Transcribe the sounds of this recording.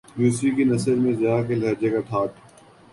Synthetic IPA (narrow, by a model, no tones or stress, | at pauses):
juːsikinɐsəɾmẽzɪjaːkelɐːɾd͡ʒekaʈ̪ʰaːʈ̪ʰː